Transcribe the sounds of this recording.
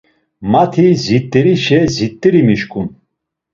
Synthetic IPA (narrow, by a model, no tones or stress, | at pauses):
mat̪ʰizit̪ʼːiɾiʃɛzit̪ʼːiɾimiʃkʼun